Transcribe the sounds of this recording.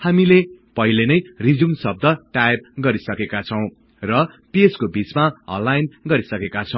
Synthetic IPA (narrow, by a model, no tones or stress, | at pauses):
hamilepʌɦilenʌjrid͡zumsʌb̚d̪ʱʌʈajb̚ɡʌɾisʌkekat͡sʰʌw̃ | rʌpeskobit͡smaʌ̰̃nlːajnɡʌɾisʌkekat͡sʰʌw̃